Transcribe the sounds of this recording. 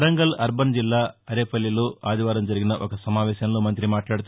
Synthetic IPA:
ɾɐŋɡɐlɐɾbɐnd͡ʒilːaːɐɾeːpɐlːijluaːd̪iʋaːɾɐmd͡ʒɐɾiɡinɐʔɔkɐsɐmaːʋɛːʃɐnɐlːumɐnt̪ɾimaːʈlaːɽut̪ɐ

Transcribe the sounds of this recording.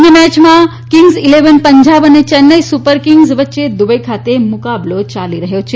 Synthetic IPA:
ŋɡəmɛt͡ʃmã | kiŋɡzileʋənpəɲd͡ʒaʋənet͡ʃənːəjsupəɾkɪŋɡzʋət̪ːʃed̪ubəikʰat̪emʊkablot͡ʃaliɾəɦjot͡ʃʰe

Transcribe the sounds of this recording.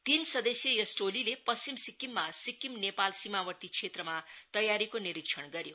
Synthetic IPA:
t̪insʌd̪esjʌjʌsʈolilepʌst͡ɕimsikːimːasikːimnepalsimawʌrt̪it͡sʰet̪rʌmat̪ʌjaɾikoniɾikʂʰʌɳɡʌɾjo

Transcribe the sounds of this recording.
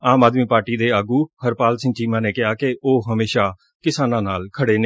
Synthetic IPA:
aːmaːd̪miːpaːɾʈiːd̪eːaːɡuːhəɾpaːlsɪ̃ŋt͡ʃiːmãːneːkɪaːkɪʔoːɦəmeːʃaː | kɪsaːnãːnaːlkʰəɽeːne

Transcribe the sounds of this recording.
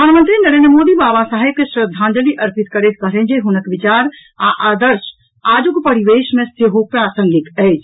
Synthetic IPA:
pəaːnmə̃nt̪ɾinɐɾẽːnɾəmoːd̪ibaːbasaːɦeb̚keʃɾəd̪ʱːãːnd͡ʒəliʔɐɾpɪt̪̚kəɾeːt̪̚kɐɦɾẽːnd͡ʒeɦʊnəkʋɪt͡ʃaːɾ | aʔaːd̪əɾʃ | aːd͡ʒukpɐɾiʋeːʃmẽseɦopɾaːsə̃ŋɡɪt̪ɛːd͡ʒ

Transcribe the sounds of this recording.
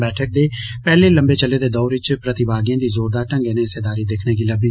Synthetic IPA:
bɛːʈʰək̚d̪eːpɛːleːlə̃mbeːt͡ʃəlːeːd̪eːd̪ɔːɾɪt͡ʃpɾət̪ɪbaːɡɪjãːd̪iːzoːɾd̪aːʈə̃ŋɡeːnẽːɪseːd̪aːɾiːd̪ekʰneːkiːləbiː

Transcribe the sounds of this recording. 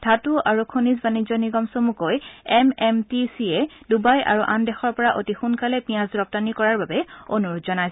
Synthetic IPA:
dʱatuʔaɹukʰonizbanizɔniɡɔmsomukojɛmɛmtisiɛ | dubajʔa̰ɹuʔandɛxɔɹpɔɹaʔotixunkalɛpĩjãzdɹɔp̚tanikɔɹaɹbabɛonuɹudzɔnajs

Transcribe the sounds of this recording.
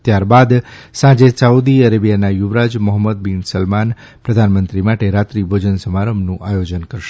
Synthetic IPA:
t̪jaɾbad̪sãd͡ʒesaud̪iəɾebijanajuʋɾad͡ʒmɔɦəmːəd̪̚binsəlman | pɾəd̪ʱanmənt̪ɾimaʈeɾat̪ɾibʱod͡ʒənsəmaɾəmnũʔajod͡ʒənkəɾʃe

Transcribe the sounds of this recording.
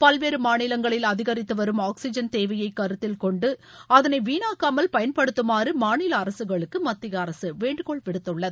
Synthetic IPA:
pɐlʋeːɾɯmaːɳɪlɐŋɡɐɭɪlɐðɪɣɐɾɪt̪ːɯʋɐɾɯmaːksɪd͡ʒɐnt̪eːʋɐjɐɪkːɐɾɯt̪ːɪlkɔɳɖɯɐðɐnɐɪʋiːnaːkːaːmɐlpɐjɐnpɐɽɯt̪ːɯmaːrɯmaːɳɪlɐːɾɐsɯɣɐɭɯkːɯmɐt̪ːɪɣɐːɾɐsɯʋeːɳɖɯkɔɭʋɪɽɯt̪ːɯɭːɐðɯ

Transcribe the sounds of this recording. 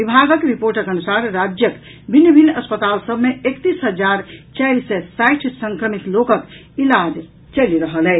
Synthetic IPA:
bibʱaɡəkɾipoɾʈəkənusaɾɾad͡ʒjək | bʱinjəbʱinːəspət̪alsəbʱmeekt̪isɦəd͡ʒaɾt͡ʃajlsɛsajʈʰsəŋkɾəmit̪lokək | ilad͡ʒ | t͡ʃəliɾəɦəlɛ

